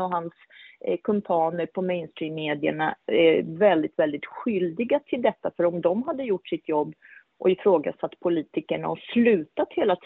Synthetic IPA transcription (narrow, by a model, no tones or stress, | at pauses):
ɔɦans | kʰɵmpʰɑːnəɾpʰɔmɛɪnst̪ɾiːmːeːd̪ɪə̰ɳaɛvɛld̪ɪt̪vɛld̪ɪt̪ɧʏld̪ɪɡat̪ʰɪld̪ɛt̪ːafœɾɔmd̪ɔmɦad̪ːəjʊʈːʂɪt̪jɔbː | ʔɔɪfɾoːɡa̰sat̪ːpʰʊliːt̪ɪkəɳa̰ɔslʉ̟ːt̪at̪heːlat̪ʰ